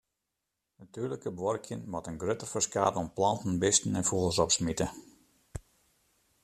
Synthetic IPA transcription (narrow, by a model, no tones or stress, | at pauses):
natyːrləkəbʋɔrkʰjənʋɔtənɡrøtərfərskaːtəɔmplɑntn̩bɪstn̩ɛnfulˠsɔpsmitə